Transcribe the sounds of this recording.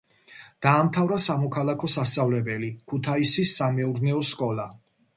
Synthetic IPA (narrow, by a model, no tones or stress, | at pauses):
d̪̥aːmt̪ʰavɾasamɔkʰalˠakʰɔsast̪sʼavlɛbɛlikʰut̪ʰaisisːamɛuɾnɛɔskʼɔlˠa